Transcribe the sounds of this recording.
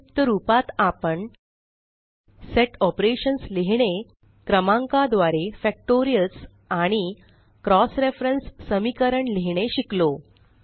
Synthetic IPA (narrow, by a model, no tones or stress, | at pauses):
pt̪əɾupat̪apəɳ | seʈɔpɾeɕənsleɦɳ̃e | kɾəmãŋkad̪ʋaɾefɛk̚ʈoɾijəls | aɽ̃i | kɾɔsɾefɾənsːəmikəɾəɳleɦɳ̃eɕiklo